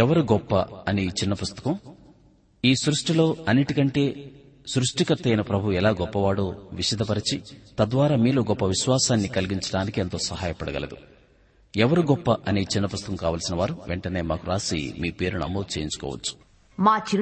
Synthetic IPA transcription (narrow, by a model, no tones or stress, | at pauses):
ɛʋɐɾuɡɔpːɐ̰ɐnit͡ʃinːɐpust̪ɐ̥kɐm | iːsɾuʂʈilo̞ːɐnːiʈikɐɳʈe̞ː | sɾuʂʈikɐt̪ːɐjnɐpɾɐbʱuʋuɛlaːɡɔpːɐʋaːɽoːʋiʂɐd̪ʱɐpɐɾit͡ʃit̪ɐd̪ʋaːɾaːmiːloːɡɔpːɐʋiʃʋaːsaːnːikɐliɡiɲt͡ʃɐɽaːnikient̪o̞ːsɐɦaːjɐpɐɽɐɡɐ̰lḛd̪u | ɛʋɐɾuɡɔpːɐʔɐnit͡ʃinːɐpust̪ɐkɐmkaːʋɐːlsinɐʋaːɾuʋeɳʈɐne̞ːmaːkuɾaːsḭmiːpe̞ːɾunɐ̰mːoːd̪ut͡ʃe̞ːjiɲt͡ʃu̥kɔ̰ːʋɐ̰t͡ʃːu̥ | maːt͡ʃi